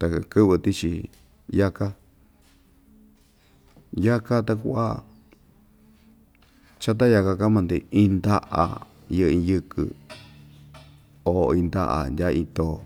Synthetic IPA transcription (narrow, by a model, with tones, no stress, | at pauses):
t̪a˧kɨ˦βɨ˧t̪i˦t͡ʃi˧ | ja˦ka˦ | ja˦ka˦t̪a˧ku˦ʔa̰˦ | t͡ʃa˦t̪̬a˦ja˧ka˧ka˦mã˧nd̪i˧ĩ˦˧nd̪a˦ʔa̰˧ | jɨ˦ʔĩ˧jɨ˧kɨ̰˧ | o˨˧ĩ˧nd̪a̰˦˧ʔa̰˧ndʲa˦˧ĩ˧t̪o˧˨